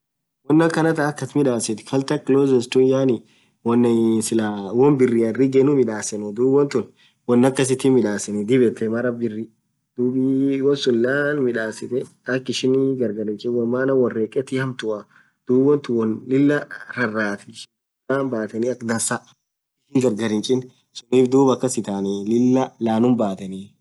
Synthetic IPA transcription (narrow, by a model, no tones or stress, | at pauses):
wɔnːɐkːɐnɐt̪ɐːkːɐt̪mɪᶑaːsɪt̪kʰɐlt̪ɐkɪloːzɛst̪ujaːnɪ | wɔnːɐnsɪlawɔnbɪrːiːɐrːiɡenʊmɪᶑaːsɛnɛd̪uːbɔnt̪ʊn | wɔnːɐkːɐs̬ɪt̪iːmɪᶑaːsɛnɛd̪ɪbɛt̪ːɛmɐɾɐbɪrːi | d̪̥uːbiwɔnsʊlːaːnmɪᶑaːsɪt̪ɛɐkːɪʃɪnɡɐɾɡɐɾɪnt͡ʃʼɪnwɐmːaːnɐwɔrːeːkʼɛt̪ɪhɐmt̪ʊʔɐ | d̪̥uːbɐnt̪ʊwɔnlɪlːɐɾɐrːaːt̪ɛʃɪn | laːnbaːt̪ɐniɐkd̪ɐsa | ɪʃɪŋɡɐɾɡɐɾɪnt͡ʃʼɪn | sʊniːfd̪uːbɐkːɐsɪt̪aːnɛlɪlːɐlaːnʊmbaːt̪ɐni